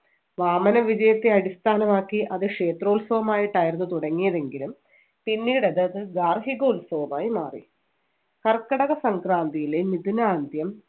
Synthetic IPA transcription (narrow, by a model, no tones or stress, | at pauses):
ʋaːmɐnɐʋid͡ʑɐjɐt̪ːe̞ɐɽist̪ʰaːnɐmaːkːiʔɐðɨkʂe̞ːt̪ro̞ːlsɐʋɐmaːjiʈːaːjiɾunːɨt̪uɽɐŋːijɐðe̞ŋɡilum | pinːiːɽɐðɨɐðɨɡaːrɦiɣoːulsɐʋɐmaːjima̰ːrḭ | kɐrkːɐɽɐɣɐsɐŋkraːnd̪ijilemid̪inaːnd̪jɐm